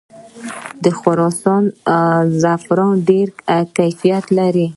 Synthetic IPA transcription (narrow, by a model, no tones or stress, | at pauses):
d̪əxʊɾɑsɑnzafɾɑnɖeɾkajfijat̪laɾi